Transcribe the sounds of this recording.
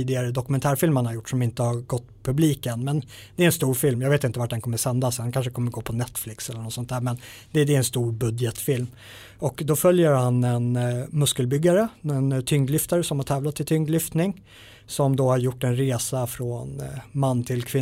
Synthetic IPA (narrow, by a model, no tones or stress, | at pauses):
iːd̪ɪɡaɾəd̪ɔkɵmɛnt̪ʰæːɾfɪlmhanhaɾjʊʈːʂɔmɪnt̪əhaɾɡɔt̪ːpʰɵbliːkənmɛnd̪ɛæɾɛnst̪uːɾfɪlmjɑɡveːt̪ɪnt̪əvaʈ̚d̪ɛnkɔmːəɾsɛnd̪ashɛnkʰanʂəkʰɔmːəɾɡoːpʰɔnɛt̪ːflɪksɛlːəɳɔt̪sɔnt̪æːɾmɛn | d̪ɛd̪ɛɾɛnst̪uːɾbɵd̪jət̪fɪlm | ɔkd̪ɔfœljəɾhanɛnmɵskəlbʏɡːaɾəɛnt̪ʰʏŋɡlʏft̪aɾəsɔmhaʈʰɛːvlat̪ʰːɪlt̪ʰʏŋɡlʏft̪nɪŋ | sɔmd̪oːhaɾjʊʈːɛnɾeːsafɾoːnmanːt̪ʰɪlkʰvɪ